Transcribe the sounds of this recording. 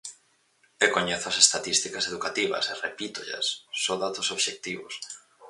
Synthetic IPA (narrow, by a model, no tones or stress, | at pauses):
ekoɲeθʊɐsest̪at̪ist̪ikɐseðukat̪iβɐ̰serepit̪oʎɐ̰sːoðat̪osoβʃek̚t̪iβʊ̰s